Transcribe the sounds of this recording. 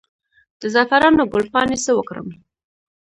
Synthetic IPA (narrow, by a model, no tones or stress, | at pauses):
d̪̥əzafaɾɑnoɡʊlpɑnesəwəkɾə̰m